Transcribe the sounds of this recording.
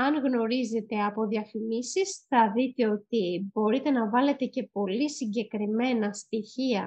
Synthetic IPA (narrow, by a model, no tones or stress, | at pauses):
ɐŋɣno̞ɾize̞t̪e̞ɐpo̞ðiɐfimisisθɐðit̪e̞o̞t̪ibo̞ɾit̪e̞nɐvɐle̞t̪e̞ce̞po̞lisiɲɟe̞kɾime̞nɐst̪içiɐ